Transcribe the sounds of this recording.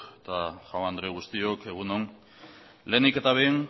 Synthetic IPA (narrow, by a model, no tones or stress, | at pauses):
et̪axawand̪ɾeɣ̞ust̪io̞ke̞ɣ̞unon | le̞nike̞t̪aβejn